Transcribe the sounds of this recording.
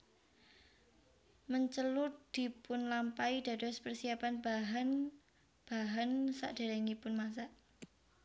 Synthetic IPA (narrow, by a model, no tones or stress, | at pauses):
məɲt͡ʃəlʊt̪̚d̪̥i̤pʊnlampaid̪̥a̤dɔ̤spərsiapanbaɦan | b̥aɦansa̰ʔd̥e̤ɾɛŋipʊnmas̬aʔ